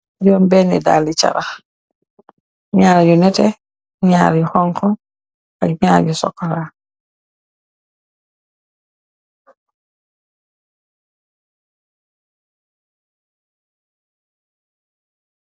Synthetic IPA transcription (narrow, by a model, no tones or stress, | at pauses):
jɔːmbɛnḭda̰ːlit͡ʃa̰ɾah | ɲaːɾɟunɛtɛ | ɲaːɾjuhɔŋkɔ | aɡɲaːɾɟusɔ̰kːɔɾa